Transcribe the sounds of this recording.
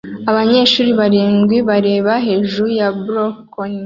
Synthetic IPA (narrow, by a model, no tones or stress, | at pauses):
aβaɲe̞ːʃuːɾiβaɾiːŋɡwiβaɾe̞ːβaɦe̞ʒujabuɾok | oni